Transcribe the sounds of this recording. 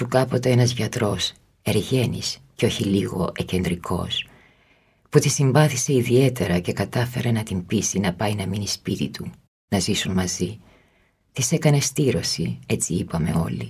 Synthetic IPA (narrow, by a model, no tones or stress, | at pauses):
ukɐpo̞t̪eenɐzʝɐt̪ɾo̞s | e̞ɾʝe̞nḭsceo̞çiliɣo̞̰ece̞nd̪ɾikʰo̞̰s | put̪isiɱvɐθise̞iðie̞t̪e̞ɾɐce̞kɐt̪ɐfe̞ɾe̞nɐt̪imbisinɐpɐinɐminispit̪it̪ʰu | nɐzisunmɐzi | t̪ise̞kɐne̞st̪iɾo̞sie̞t͡siipɐme̞̰o̞̰li